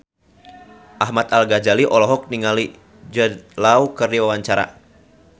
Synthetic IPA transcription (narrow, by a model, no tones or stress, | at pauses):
ʔaɦmat̪alɡad͡ʒaliʔɔlɔɦɔk̚niŋali | d͡ʒəlaukərdiwawaɲt͡ʃaɾa̰